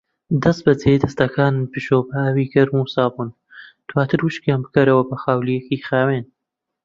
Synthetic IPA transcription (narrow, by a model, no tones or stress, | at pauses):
d̪ɐst̪̚bɐt͡sʰed̪ɐst̪ɐkʰaːnpɨʃoːbaawiːɡɐɾmusaːbuːn | d̪̥waːt̪ʰɨɾwuʃkjaːnbɨkɐɾɐwɐbɐxaːwlijekixaːweːn